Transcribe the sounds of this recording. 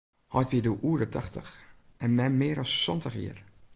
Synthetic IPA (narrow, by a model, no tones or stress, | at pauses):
hɔjtʋiəduʔuədətʰaxtə̰xʔɛnmɛmɪːɾɔsːɔntəxjḭər